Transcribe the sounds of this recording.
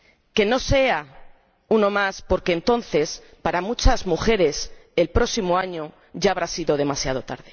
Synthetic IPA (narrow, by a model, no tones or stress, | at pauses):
ke̞no̞se̞a | uno̞maspo̞ɾke̞ːnt̪o̞nθe̞s | paɾamut͡ʃazmuxe̞ɾe̞se̞lpɾo̞simoaɲo | ʝaːβ̞ɾasiðo̞ð̞e̞masjað̞o̞t̪a̰ɾð̞e